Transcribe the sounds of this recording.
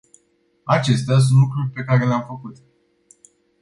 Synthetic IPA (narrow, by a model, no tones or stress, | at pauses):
at͡ʃe̞st̪eas̬unt̪lukɾurʲpe̞kaɾe̞leamfəkut̪